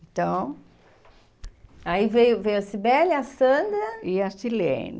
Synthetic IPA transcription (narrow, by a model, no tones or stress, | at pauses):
ẽt̪ɐ̃w̃ | aivejʊvejʊɐsibɛlasɐ̃d̪ɐiat͡ʃilḛ̃n